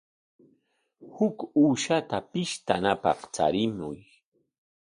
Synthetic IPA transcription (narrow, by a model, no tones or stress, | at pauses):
hʊkuːʃat̪apɪʃt̪anapɑ̰χt͡sa̰ɾɪmʊj